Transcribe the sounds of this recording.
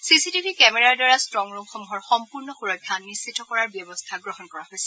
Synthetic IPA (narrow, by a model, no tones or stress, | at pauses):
sisitibʱikɛmɛɹaɹdwaɹastɹɔŋɹumxɔmuɦɔɹxɔmpuɹnɔxuɹɔɡʰʱjanːisːitːɔkɔɹaɹbjɔbɔstʰaɡɹɔɦɔnkɔɹaɦojsɛ